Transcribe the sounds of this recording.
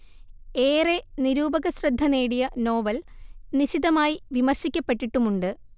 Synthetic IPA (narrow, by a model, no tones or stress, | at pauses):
e̞ːreniɾuːbɐɣɐsrɐd̪ʱːɐneːɽijɐno̞ːʋɐlniɕiðɐmaːjiʋimɐrɕikʲːɐpːe̞ʈːiʈːumuɳɖɨ